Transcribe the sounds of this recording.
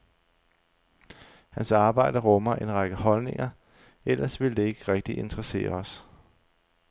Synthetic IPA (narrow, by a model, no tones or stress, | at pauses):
hænsɑ̈ːb̥ɑ̈ɪ̰d̥ɐʁɔ̽mɐʔenʁɑ̈ɡ̥əhɒ̽lne̝ŋɐ | el̰ɐsʋe̝ld̥e̝e̝ɡ̥əʁɛɡ̥̚d̥iʔe̝nd̥ʁɐse̝̰ːɐɒ̽s